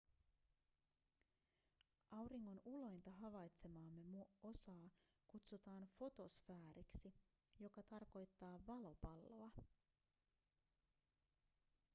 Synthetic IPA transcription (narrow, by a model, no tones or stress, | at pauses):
ʔɑwɾiŋːo̞nulo̞jnt̪ɑɦɑʋɑjt̪se̞mɑːmːe̞muo̞sɑː | kut̪sut̪ɑːnfo̞t̪o̞sfæːɾiksi | jo̞kɑt̪ɑrko̞jt̪ːɑːʋɑlo̞pɑlːoɑ